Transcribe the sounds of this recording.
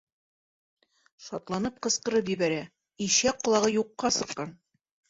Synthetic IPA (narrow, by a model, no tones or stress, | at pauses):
ʃɒt̪lˠɑnɤp̚qɤ̆sqɤ̆ɾɤpʑibæɾæ | iɕæqŏlˠɑʁɤjuqːɑsɤ̆qːɑn